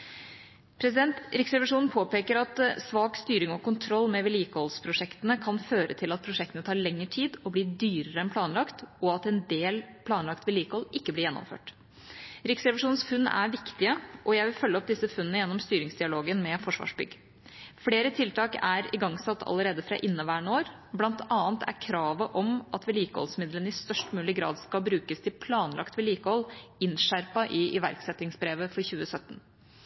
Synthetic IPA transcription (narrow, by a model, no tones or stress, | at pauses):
pʰɾɛsɪd̪ɛnt̪ɾɪksɾɛʋɪʂuːnn̩pʰoːpeːkəɾɑt̪sʋɑːkst̪yːɾɪŋɔkʊnt̪ʰɾɔlːmɛʋɪliːkhɔlspʰɾʊʂɛkt̪ənəkʰɑnføːɾə̰t̪ʰɪlɑt̪̚pʰɾʊʂɛk̚t̪ənət̪ʰɑːɭɛŋːəʈʰiːd̪ɔbliːd̪yːɾəɾəɛnpʰlɑːnlɑkt̪ɔɑt̪ɛnd̪eːlpʰlɑːnlɑkt̪ʋɪliːkhɔlɪkːəblɪɾjɛnːɔ̰mfø̰ːʈ | ɾɪksɾɛʋɪʂuːn̩sfʉnːæ̰ɾʋɪkt̪ɪəʔɔjæɪʋɪlfœlːəɔp̚d̪ɪsːəfʉnənəjɛnːɔmst̪yːɾɪŋsd̪ɪɑloːɡənmɛfɔʂʋɑ̰ːʂbʏ̰ɡː | fleːɾət̪ʰɪlt̪ʰɑːkæɾɪɡɑŋsɑt̪ːɑ̰ləɾeːd̪əfɾɑ̰ʔɪnːɑʋæːɳoːɾ | blɑnt̪ʰɑːnt̪ʰæ̰ɾkʰɾɑːʋəʔɔmʔɑt̪ʋɛliːkəhɔ̰lsmɪd̪lənəɪst̪œʂʈmʉːlɪɡɾɑ̰ːd̪skɑbɾʉːkəst̪ʰɪlpʰlɑːnlɑ̰kt̪ʋɛliːkəhɔlɪnʂæɾpɑʔɪʔɪʋæ̰ɾksɛt̪ːɪŋsbɾeːʋəfɔɾçʉːəsœt̪ːn̩